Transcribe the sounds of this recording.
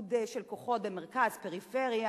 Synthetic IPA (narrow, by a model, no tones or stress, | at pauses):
d̪eʃelkoχo̞t̪emeʁkazpeʁifeʁja